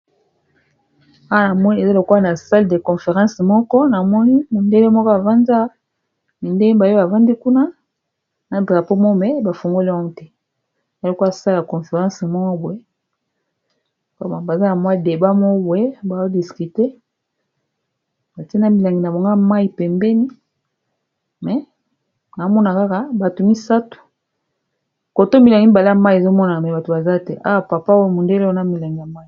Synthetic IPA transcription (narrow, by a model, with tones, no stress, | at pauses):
a˦wa˦na˨mɔ˦ni˦e˨za˦lo˨kwa˦na˨sa˦lde˨kɔ˨fe˨ʁɑ̃˦smɔ˦kɔ˦na˨mɔ˦ni˦mo˨nde˦le˦mɔ˦kɔ˦a˨va˦nda˦ | mi˨nde˦ba˨jo˦ba˨va˦ndi˦ku˦na˦ | na˨˦ba˨po˦mo˦mɛ˦ba˨fo˨ŋɡo˦li˦a˦o˦tɛ˦ | e˨a˦lo˨kwsa˦la˨kɔ˨fe˨ʁã˦smɔ˦bwɛ˨˦ | ka˦ma˨ba˨za˦na˨mwa˦de˨ba˦mɔ˦bwee˦ba˨zo˦di˨ski˨te˦ | ba˨ti˦e˦na˦mi˨la˨ŋɡi˨na˨bo˨ŋɡa˦ma˦i˨pɛ˨mbɛ˦ni˦ | mɛ˨ | na˨a˦mɔ˦na˨ka˦ka˦ba˨to˨mi˦sa˦tu̥˨ | ko˨to˦mi˨la˨ŋɡi˦ba˨la˦˨ma˦i˨e˨zo˦mɔ˦na˨mɛ˨ba˨to˨ba˨za˦tɛ˦ʔa̰˦wa˨pa˨pa˦wo˦mo˨nde˦le˦o˦na˦mi˨la˨ŋɡi˨ja˨ma˦i˨